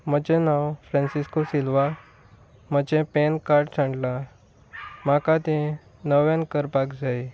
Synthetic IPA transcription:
məd͡ʑenawfɾɛ̃nsiskosilʋa | məd͡ʑẽpenkaɾʈt͡sʰãɳɖla | makãt̪ẽ | nəʋjãnkəɾpakd͡zai

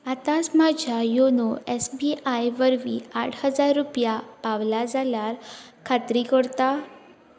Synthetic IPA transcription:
at̪asmad͡ʑʱjajonoɛsbiajʋəɾʋiaʈʰhəd͡zaɾːupjapaʋlad͡zaljaɾkʰat̪ɾikəɽt̪a

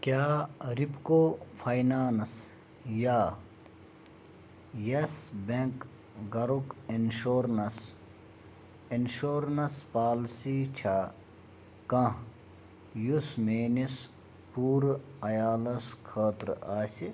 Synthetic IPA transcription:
kʲaːɾipkoːfʰɐjnaːnɐs | jaː | jɐsbeŋk | ɡɐɾukinʃoːɾnɐs | inʃoːɾnɐspaːlsiːt͡ʃʰaː | kɐ̃ | jusmeːnis | puːɾɐjaːlɐskʰaːt̪ɾaːsi

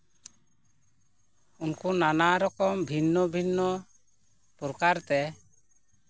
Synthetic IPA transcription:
unkunanaɾɔkɔmbʱinːɔbʱinːɔ | pɔɾkaɾt̪ɛ

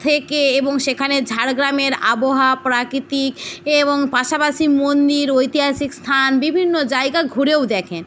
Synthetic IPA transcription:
t̪ʰekeeboŋʃekʰaned͡ʑʱaɾɡɾameɾaboɦapɾakɾit̪ikeboŋpaʃapaʃimond̪iɾojt̪iɦasikst̪ʰanbibʱinːod͡ʑaeɡaɡʱuɾewd̪ɛkʰen

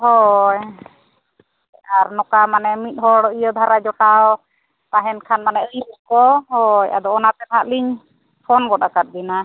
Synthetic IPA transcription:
ɦɔj | aɾnɔkamanɛmit̪̚ˀɦɔɽɔijɔd̪ʱaɾad͡ʒɔʈaɔ | t̪aɦɛnkʰanmanɛʔəjbukɔɦɔja̰d̪ɔɔnat̪ɛbɦaʔliɲ | pʰɔnɡɔɗakat̪̚b̪ina

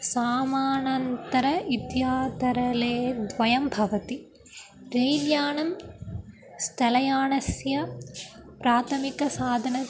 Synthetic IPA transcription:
saːmaːnɐnt̪ɐɾɐʔɪt̪jaːd̪ɐɾɐleːd̪ʋɐjɐmbʱɐʋɐt̪i | ɾeːljaːnɐm | sʈɐlɐjaːnɐsjɐ | pɾaːt̪ʰɐmɪkɐsaːd̪ʱɐnɐ

